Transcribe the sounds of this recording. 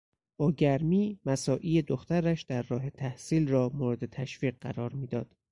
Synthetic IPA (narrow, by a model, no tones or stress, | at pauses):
b̥ɒːɟæɾmiːmæsɒːʔiːed̪oxt̪æɾæʃd̪æɾːɒːɦe̞t̪ʰæhsiːlrɒːmoːɾed̪e̞t̪ʰæʃfiːɢ̚ɢæ̰ɾɒːɾmiːd̪ɒːd̪̥